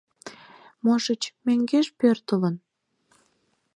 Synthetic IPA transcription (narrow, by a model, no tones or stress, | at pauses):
moʃət͡ɕmeŋɡeʃpørt̪ələn